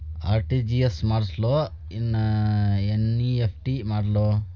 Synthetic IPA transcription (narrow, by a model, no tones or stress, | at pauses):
a̰ːɾʈid͡ʒiesmaːɾslo | inːɐeniepʰʈimaːɖloː